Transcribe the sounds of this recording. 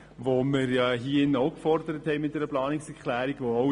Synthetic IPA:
voməɾjɑɦiːɪnɔʊkfɔɾdəɾəthɛɪmɪt̚d̥ɛɾəplɑːnɪksɛɾkʰlæːɾiɡʋoo

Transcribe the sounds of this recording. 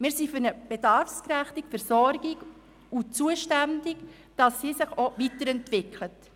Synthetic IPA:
mɪːɾsifʏɾnəb̥edɑɾfskɾæχtɪkfɛɾsɔɾɡɪɡ | ut͡suːəʃtændɪk | d̥ɑsːisɪχovitəɾɛntvɪkʰlət

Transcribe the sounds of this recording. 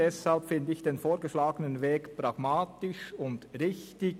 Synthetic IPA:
ɛshalpfɪndəɪçd̥eːnfoːɾɡəʃlaːɡənənveːkpʁɑɡ̥maːtɪʃʊndʁɪçtɪ

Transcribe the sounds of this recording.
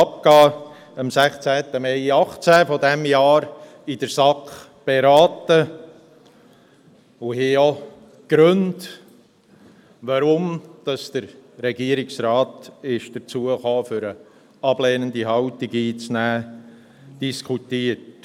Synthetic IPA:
ɑp̚kɑː | ɑmsæχt͡sæːt̪əmɛɪɑχt͡sæfɔdɛmjɑːɾ | id̥əɾsɑkχ | b̥eɾɑːtə | ʊhɪɔ | ɡ̥ɾønd | ʋɑɾʊmd̥ɑsd̥əɾɾɛɡiəɾɪksrɑːtɪʃd̥əɾt͡suəχoːfʏɾə | ɑblɛːnəndiɦɑltɪɡiːt͡snæː | d̥iskʰutiət

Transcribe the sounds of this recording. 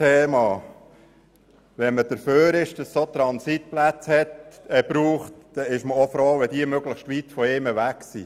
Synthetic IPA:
eːmɑː | ʋɛməd̥əɾføːɾɪʃd̥ɑsːot̪ɾɑnsit̪̚plæt͡shɛt̪ɛb̥ɾuːχtd̥ɛɪʃməofɾoːʋɛd̥iəmøɡləxʃtʋit̪fɔɪːməʋæksḭ

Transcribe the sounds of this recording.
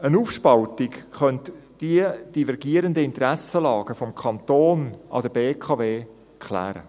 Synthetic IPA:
ənuːfʃpɑlt̪ɪkχœntd̥iəd̥ivɛɾɡiəɾəndəɪnt̪ɾæsəlɑːɡ̥əfɔmkʰɑnt̪oːnʔɑ̰d̪əbeːkʰɑveː | kχlæ̰ːɾə̰

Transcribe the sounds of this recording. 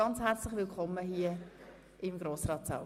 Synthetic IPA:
ɑnt͡shɛɾt͡slɪχʋɪlkʰɔmːəɦiə | ɪmɡɾoːsrɑːtsa̰l

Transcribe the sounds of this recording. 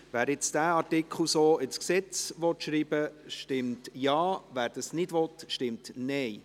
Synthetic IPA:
ʋæːɾɪt͡sd̥æːɑɾtɪkχl̩soːɪt͡sksɛt͡sʋɔtʃɾiːb̥əʃtɪmtjɑːvʋæːɾd̥ɑsnɪdʋɔtʃtɪmtnɛj

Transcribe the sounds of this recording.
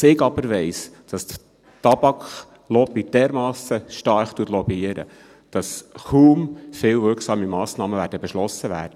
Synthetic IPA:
sɪɡɑb̥əɾʋɛɪsd̥ɑst̪ | tɑb̥ɑkχ | lɔbid̥ɛɾmɑːsəʃtɑɾχt̪uət̪lɔbiəɾə̰ | d̥ɑsχuːmfɪːlvʏɾksɑːmimɑːsnɑːməvæːɾdəbɛʃlɔsəʋæ̰ːɾd̥ə

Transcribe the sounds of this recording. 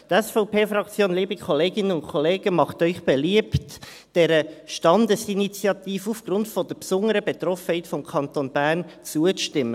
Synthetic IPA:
t̪ɛsfɔʊpʰeːfɾɑkt͡sjoːnliːbikʰɔleːɡɪnənʊnkʰɔleːɡ̥əmɑχtœʏχb̥eliəpt | d̥ɛɾəʃtɑndəsinit͡sjɑt̪iːfəufɡ̥ɾʊntfɔd̥əpsʊnəɾəbɛt̪rɔfəhɛɪtfɔmkʰɑntoːnbæʁnt͡suəʃtɪmːə

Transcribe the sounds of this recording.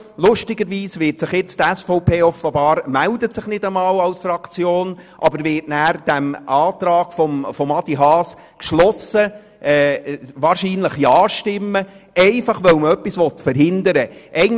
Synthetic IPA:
lʊʃtɪɡəɾʋiːsʋɪːtsɪχjɪt͡stɛsfɔʊpʰeːɔfəbɑːɾəmældətsɪχnɪdəmɑːwɑwsfrɑkt͡sjoːnʔɑbəɾvɪːtnæːɾd̥æmɑːtɾɑːɡ̥fɔmfɔmɑd̪iɦɑːs | kʃlɔsə | ʔɛːʋɑːɾʃiːnləχjɑːʃtɪmːəɛɪfɑχʋœwməœpːisʋɔt̪fəɾɦɪnd̪əɾəʔɛɪ

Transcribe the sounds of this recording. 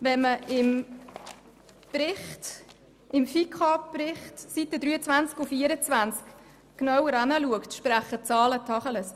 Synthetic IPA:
vɛnməɪm | pɾɪχt | ʔɪmfikʰɑpprɪχtsitəd̪ɾyːət͡svænt͡skufiːəɾət͡svænt͡sk | knawəɾɑnəluəktʃpɾæχət͡sɑːlətʰɑχələs

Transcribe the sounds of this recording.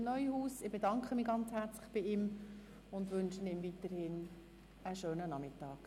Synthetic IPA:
mnœʏəhuːsɪb̥edɑŋkχəmiɡɑnt͡shæɾt͡slɪχb̥ɪɪm | ʊndʋʏnʃənɪmvitəɾhɪn | əʃøːnənɑmɪtɑːk

